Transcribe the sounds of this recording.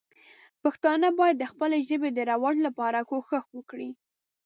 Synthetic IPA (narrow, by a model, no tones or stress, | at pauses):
paxt̪ɑnəbɑjad̪ːəxpəleʒəbed̪əɾawɑdlapɑɾakoxəxwəkɽi